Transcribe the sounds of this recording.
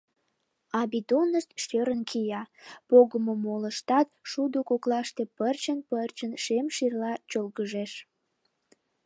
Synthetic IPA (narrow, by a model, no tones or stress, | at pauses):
ɑbid̪onəʃt̪ʃøɾənkʰijɑpoɣəmomoləʃt̪ɑt̪ʃud̪okoklɑʃt̪e̽pərt͡ɕənpərt͡ɕənʃemʃirlɑt͡ɕolɣəʒeʃ